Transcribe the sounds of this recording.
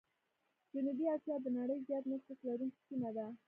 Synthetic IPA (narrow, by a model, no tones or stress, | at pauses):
d͡ʒʊnubiasjɑd̪ənaɽəjzjɑt̪məxaslaɾunki̥simad̪a